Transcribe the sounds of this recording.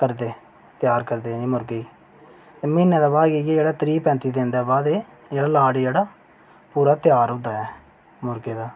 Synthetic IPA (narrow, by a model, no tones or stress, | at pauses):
kəɾd̪eː | t̪jaːɾkəɾd̪enimʊɾɡeː | t̪emɪnːɛd̪aːbaːɡejeeːɽaːt̪ɾiːpɛ̃ːnt̪id̪end̪ɛːbaːd̪e | jeːɽaːlaːɽijeːɽaː | puːɾaːt̪jaːɾɦʊ̃ːd̪aːɛː | mʊɾɡeːd̪aː